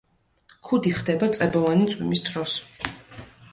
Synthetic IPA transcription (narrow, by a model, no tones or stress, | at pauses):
kʰud̪iχd̪ɛbat̪sʼɛbɔvanit̪sʼwḭmisd̪ʰɾɔs